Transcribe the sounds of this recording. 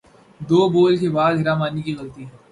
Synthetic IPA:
d̪oːboːlkebaːd̪ɦɪɾaːmaːnikiɣɐlt̪iː

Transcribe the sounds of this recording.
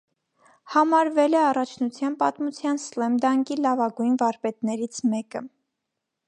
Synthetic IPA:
hɑmɑɾvɛlɛɑrɑt͡ʃʰnut͡sʰjɑnpɑt̪mut͡sʰjɑnslɛmd̪ɑŋkilɑvɑɡujnvɑɾpɛt̪nɛɾit͡sʰmɛkə̰

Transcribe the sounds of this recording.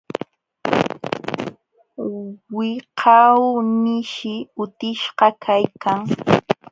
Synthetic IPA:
wɪqʰɑwnɪʃɪʊt̪ɪʃɢɑkʰajkʰaŋ

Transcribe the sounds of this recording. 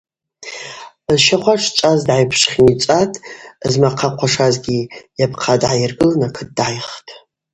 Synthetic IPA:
zʃaχʷaʈ͡ʂʰt͡ʃʷʼazdʕajpʰʂχʲnit͡ʃʷʼatʼzmaqʰaqʷʰaʂazɡʲijapʰqʰadʕajɪrɡɨlanakʰɨt̚ʼdʕajχtʼ

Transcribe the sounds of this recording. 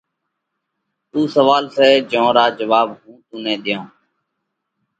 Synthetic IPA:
t̪ũːsəʋaːlsɛːd͡ʒõːɾaːd͡ʒəʋaːbɦũːt̪ũːnɛ̃ːd̪ɪjãː

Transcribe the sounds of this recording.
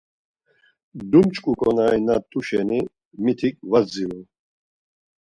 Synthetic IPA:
d̪umt͡ʃʼkʼukʼɔnajnat̪ʰʼuʃɛni | mit̪ʰikʼvad͡ziɾu

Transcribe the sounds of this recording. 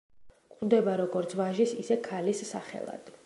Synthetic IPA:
k̪ʼd̪ɛbaɾɔɡɔɾt̪sʰvaʒisisɛkʰalisːa̰χɛ̰lˠa̰d̪̥

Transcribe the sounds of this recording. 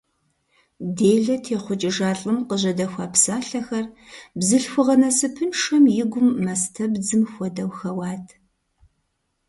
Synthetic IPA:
deːɮɐtʰeːχʷʊt͡ʃʼɪʒaːɬʼɨmqəʑɐdɐxʷaːpsaːɬɐxɐrbzɨɬxʷʊʁɐnɐsɨpʰɨnʂɐmjɪɡʷʊmːɐstʰɐbd͡zɨmxʷɔdɐwxɐwɑːtʰ

